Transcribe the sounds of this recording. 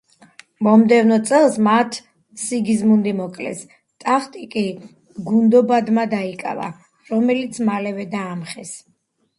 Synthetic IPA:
mɔmd̪ɛvnɔt̪sʼɛlˠsmat̪ʰ | siɡizmund̪imɔkʼlɛ̰s | t̪ʼaχt̪ʼikʼi | ɡund̪ɔbad̪mad̪aikʼa̰va̰ | ɾɔmɛlit̪sʰmalɛvɛd̪aːmχɛs

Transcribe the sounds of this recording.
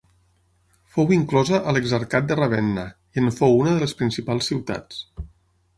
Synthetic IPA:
fowiŋklɔzəʔələɡzəɾkat̪̚d̪ərəβ̞ɛnːə | iənfowunəðələspɾinsipalˠsːiwt̪a̰t͡s

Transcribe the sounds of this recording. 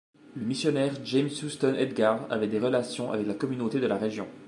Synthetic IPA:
ləmisjɔnɛʁʒɛmsust̪ɔnʔɛd̪ɡaʁa̰vɛd̪eʁəlasjɔ̃ʔa̰vɛklakɔmynot̪ed̪əlaʁeʒjɔ̰̃

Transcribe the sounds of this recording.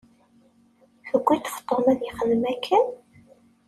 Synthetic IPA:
ħəɡʷːit̪ə̥ft̪ˤːomæðjəχəðəmækʰːən

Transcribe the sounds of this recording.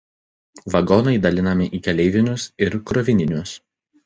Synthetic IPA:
ʋɐɡɔnɐɪd̪ɐlʲɪnɐmʲɪʔiːkʲɛlʲɛɪʋʲɪnʲʊsɪɾkɾɔʋʲɪnʲɪnʲʊs

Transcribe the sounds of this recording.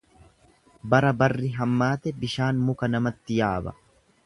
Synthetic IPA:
bɐɾɐbɐrːɪɦɐmːaːt̪ɛbɪʃaːnmʊkɐnɐmɐt̪ːɪjaːbɐ̰

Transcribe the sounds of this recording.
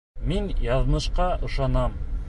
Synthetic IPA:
minjɑðnɤ̆ʃqɑʔɤ̆ʃɑnɑm

